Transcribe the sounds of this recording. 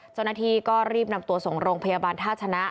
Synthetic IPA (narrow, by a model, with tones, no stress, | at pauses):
t͡ɕa˥˩wna˥t̪ʰiː˧kɔː˥˩ɾiː˥˩p̚na˧mt̪u˧ɐso˨˩˦ŋɾoː˧ŋpʰa˧jaː˧baː˧nt̪ʰaː˥˩t̚t͡ɕʰa˧na˦˥